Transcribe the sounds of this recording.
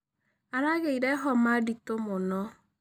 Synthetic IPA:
aɾaɣeiɾeɦɔmaditomʊnɔ

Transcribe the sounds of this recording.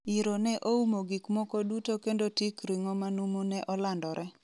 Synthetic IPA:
iɾonɛʔoumoɡikmɔkɔdutokendotikɾiŋɔmanumonɛʔɔlandɔɾʔɛ

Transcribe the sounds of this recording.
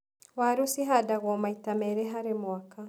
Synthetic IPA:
waɾusiɦadaɣɔmaitamɛɾɛɦaɾemwaka

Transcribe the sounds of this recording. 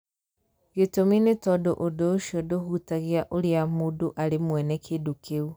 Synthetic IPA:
ɣetominetɔdoʔodoʃiɔdohutaɣeaʔoɾeamodoʔaɾemwɛnɛkʰedokʰeu

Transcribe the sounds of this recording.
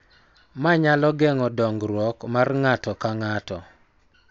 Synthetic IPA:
maɲalɔɡɛŋɔdɔŋɡɾwɔkmarŋatɔkaŋatɔ̰

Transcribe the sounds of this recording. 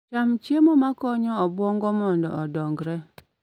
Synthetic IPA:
t͡ʃamt͡ʃiemomakɔɲɔɔbwɔŋɡɔmɔndɔ̰ʔɔdɔŋɡɾɛ

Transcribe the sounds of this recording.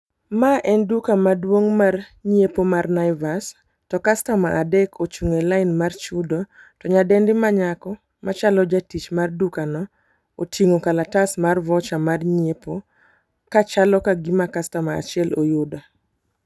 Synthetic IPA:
maʔɛndukamadwoŋmarɲepomarnaɪvas | tɔkastamaʔadɛkʰot͡ʃuŋelaɪnmart͡ʃudo | tɔɲadɛndɪmaɲakɔ | mat͡ʃalɔd͡ʒatit͡ʃmardukanɔ | otʰiŋokalatasmarvɔt͡ʃamarɲepo | kat͡ʃalɔkaɡimakastamaa̰t͡ʃɪɛlojʊda

